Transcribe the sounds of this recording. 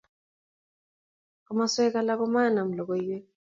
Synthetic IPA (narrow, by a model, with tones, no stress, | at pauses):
kɔ˦ma˦swɛ˦ka˦la˦kɔ˦ma˦˨na˨m̩˨lɔ˨kɔ˨i˦wɛ˦